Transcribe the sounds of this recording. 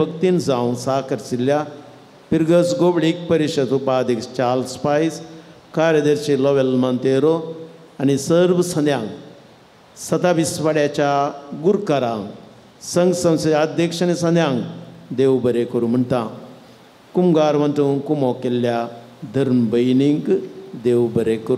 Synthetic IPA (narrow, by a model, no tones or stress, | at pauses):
ək̚t̪iːnd͡zãw̃saːkəɾsilːja | piɾɡət͡sɡobɽiːk̚pəɾiɕəd̪upad̪ʱikst͡ɕaːlspais | kaːɾjəd̪əɾɕilɔʋelmant̪eɾo | anisəɾʋsɐ̃nd̪jãŋɡ | sɐt̪aʋisʋaɽjat͡ɕaɡuɾkaɾãŋ | sɐŋɡsɐ̃wseːd̪ʱjekʂanisɐ̃nd̪ʱjãŋɡd̪eʋbəɾekɐɾuːm̤əɳt̪ã | kumɡaːɾʋɐ̃nt̪ũːnkumokelːja | d̪ʱɐɾmbəjniŋɡd̪eʋbəɾekəɾu